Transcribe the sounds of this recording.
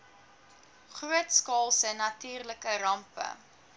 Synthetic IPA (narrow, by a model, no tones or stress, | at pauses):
χruətskɑːlˠsənɐtyːrləkəɾɐmpə̰